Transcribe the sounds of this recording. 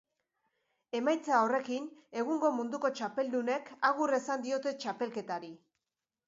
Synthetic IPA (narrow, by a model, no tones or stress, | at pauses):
e̞majt͡sao̞re̞kine̞ɣuŋɡo̞mund̪uko̞t͡ʃape̞ld̪une̞kaɣure̞sand̪io̞t̪e̞t͡ʃape̞lke̞t̪aɾi